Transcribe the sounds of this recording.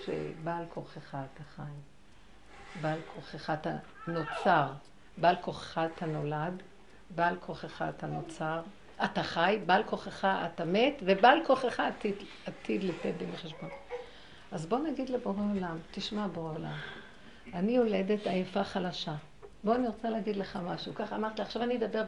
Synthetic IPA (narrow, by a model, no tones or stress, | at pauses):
ʃḛbalkʰoχeχaːtaχaj | balkʰoχeχaːt̪a | not͡saʁ | balko̞χe̥χatʰano̞lad | balkʰoχeχaːtanot͡saʁ | ataχajbalkoχeχaʔatametvebalkoχeχaːtid | atid̪litenbemeχeʃbo̞n | ʔazbo̞naɡid̪leboʁeolamt̪iʃmaboola̰m | aniole̞d̪e̞tajafaχalaʃa | bo̞aniʁot͡saleaɡid̪leχamaʃukaχamaʁt̪liaχʃavanied̪abeʁ